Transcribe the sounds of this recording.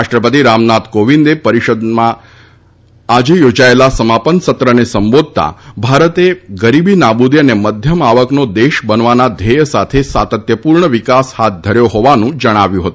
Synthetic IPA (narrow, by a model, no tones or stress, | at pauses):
aʃʈɾəpət̪iɾamnat̪koʋind̪epəɾiʃəd̪mã | d͡ʒejod͡ʒaelasəmapənsət̪ɾənesəmbod̪̚ʱt̪a̰bʱaɾət̪eɡəɾibinabud̪jəneməd̪ʱjəmaʋəknod̪eʃbənʋanad̪ʱejəsat̪ʰesat̪ət̪jəpuɾɳəʋikashat̪̚d̪ʱəɾjoɦɔʋanũd͡ʒəɽ̃aʋjũɦət̪ũ